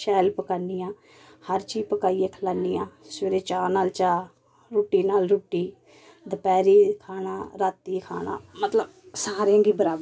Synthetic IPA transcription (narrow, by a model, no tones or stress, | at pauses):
ʃɛːlpəkaːniːjãː | həɾt͡ʃiːpəkaːiːeːkʰəlaːniːãːseːɾeːt͡ʃaːnaːlt͡ʃaː | ɾuːʈːiːnaːlɾuːʈːiː | d̪əpɛːɾiːkʰaːnaːɾaːt̪ːiːkʰa̰ːɳa̰ːmət̪ləbsaːɾeãːɡiːbəɾaːb